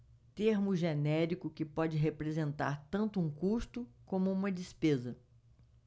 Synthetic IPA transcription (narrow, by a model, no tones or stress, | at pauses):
t̪eɾmʊʒenɛɾikʊkɪpɔd͡ʒɪɦepɾezẽnt̪a̰ɾt̪ɐ̃nt̪ʊũkust̪ʊkõmʊũmɐd͡ʒɪspezɐ